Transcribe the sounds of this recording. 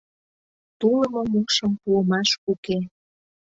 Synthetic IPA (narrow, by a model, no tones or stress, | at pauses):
t̪uləmomuʃəmpuəmɑʃuke